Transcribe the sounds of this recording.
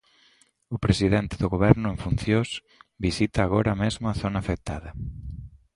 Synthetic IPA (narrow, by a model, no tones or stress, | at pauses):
ʊpɾesiðent̪ɪðʊɣoβɛɾnʊeɱfunθjos | bisit̪ɐːɣoɾɐmezmʊɐθonaːfek̚t̪aðɐ